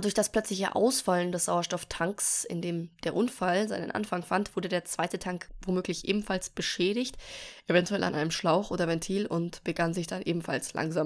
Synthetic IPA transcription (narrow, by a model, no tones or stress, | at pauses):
d̥ʊɐçd̥asplœt͡slɪçə̰ʔa̰ʊsfaləndɛsz̥aʊɐʃtɔftʰaŋksɪ̰ndeːmd̥eːɐʔʊnfalzaɪnə̰nʔa̰nfaŋfantv̥ʊɐdədeːɐt͡sv̥aɪtətʰaŋkvomøːklɪçʔeːbm̩falsb̥əʃɛːɾɪçtʔevɛntuɛlʔa̰nʔaɪnəmʃlaʊxʔoːdɐvɛntʰiːlʊntb̥əɡanzɪçd̥anʔeːbm̩falslʔa̰ŋzaːm